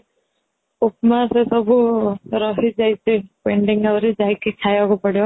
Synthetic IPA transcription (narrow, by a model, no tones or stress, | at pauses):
upmasesɔbʱuɾɔɦid͡ʒajt͡ʃʰepeɳɖiŋawɾed͡ʒajkikʰajɔɡɔpɔɽi